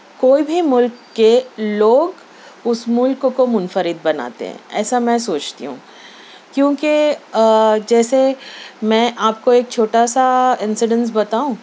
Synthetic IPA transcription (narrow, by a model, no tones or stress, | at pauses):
koːibʱimʊlkːeloːɡ | ʊsmʊlkkomʊnfəɾɪd̪̚bɐna̰ːt̪ḛɦɛ̰̃ɛ̰ːsamɛ̃soːt͡ʃt̪ḭɦṵ̃ː | kjõːke | d͡ʒɛːsemɛ̃ʔaːp̚koeːk̚t͡ʃʰoːʈasaɪ̃nsɪɖə̃ns̬bɐt̪aːũː